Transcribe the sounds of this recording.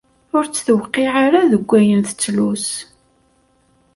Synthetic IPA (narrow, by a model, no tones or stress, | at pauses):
ʊɾt͡sːθəwqːiʕaɾaðəɡʷːæjənθə̥t͡sːlus